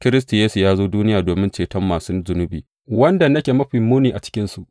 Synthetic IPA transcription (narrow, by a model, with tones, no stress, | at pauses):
kʲɪ˦ɾɪ˦s̬ti˨jeː˦su˨jaː˦zoː˦duː˦nɪ˦jaː˨doː˨mɪ˦nt͡ʃeː˨tɐ˦mːaː˨su˦d͡ʒʊ˨nʊ˦biː˨ | wɐ˦nda˨nɐ˦kʲeː˨mɐ˦ɸɪ˨mːuː˦niː˨ʔa̰˨t͡ʃɪ̥˦kʲɪ˦nsu˨ʔ